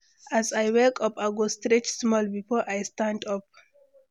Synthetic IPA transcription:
ʔazajwɛkʼɔpaɡost̪ɾet͡ʃsmɔlbifɔʔajstãndɔp̚

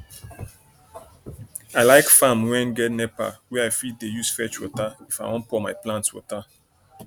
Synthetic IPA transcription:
aɪlaɪkfãmwɛ̃nɡɛtnɛpa̰wɛaɪfit̚dejusfɛt͡ʃwɔ̰taifawɔ̃npɔmaɪplãntwɔ̰ta

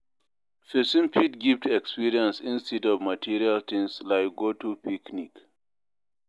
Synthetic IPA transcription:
fesĩmpʰitɡivtɛkspiɾiə̃nsĩnstɛdɔvmatʰiɹialt̪ʰĩŋslaɪkɡotupʰiknik

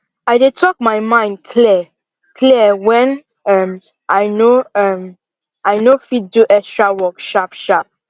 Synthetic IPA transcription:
aɪdetʰɔk̚maɪmãɪ̃ndkʰli | kʰliəwɛ̃n | ãm | ʔaɪnoam | aɪnofid̚duʔɛkstɹawɔkʃapʃap̚

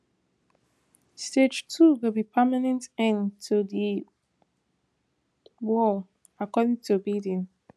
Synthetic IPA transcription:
sted͡ʒtʰuɡobipʰɜmanɛ̃ntɛ̃ntʰuði | wɔl | akɔdɪ̃ŋtʰubidĩn

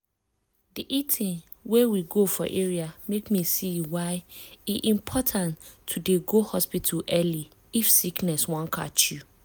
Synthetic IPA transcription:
diʔitʰɪ̃n | wɛwiɡofɔ̰ʔeɹiamekmĩsiwaɪiʔĩmpʰɔtʰãntʰːudeɡohɔspitʰaʔɛli | ifsiknɛswɔ̃nkʰa̰t͡ʃu

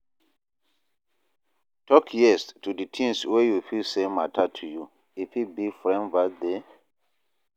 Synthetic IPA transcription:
tɔkʰjɛstuditʰĩmswejufilsematʰatʰuju | ifibifɹɛ̃nvade

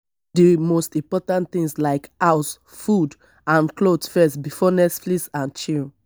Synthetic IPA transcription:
dimostĩmpɔtãntθĩŋslaɪkaʊs | fud | ãnklodsfɛstbifɔnɛsflisãnt͡ʃĩl

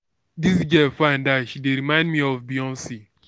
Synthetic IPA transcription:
disd͡ʒɛfãɪ̃ndaʃideɾimãɪ̃ndmiɔfbiɔ̃nsi

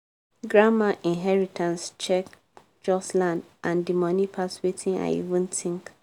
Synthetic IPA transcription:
ɡɹamaʔĩnɦɛɹitʰãnst͡ʃɛk | d͡ʒɔslãndʔãndimɔnipʰaswetʰĩna̰ɪḭvũntʰĩŋk

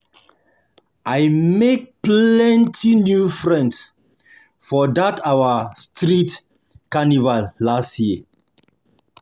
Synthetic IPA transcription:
ʔajmek̚plɛ̃ntʰinjufɹɛ̃ns | fɔdatʰawastɹit | kanivalːastji

